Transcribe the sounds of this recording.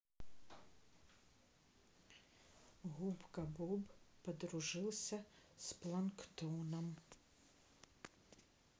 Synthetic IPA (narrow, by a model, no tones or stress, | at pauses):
ɦubkɐbɔbpɐd̪ɾʊʒɪlˠsʲɐsplˠɐnkt̪ɔnɐm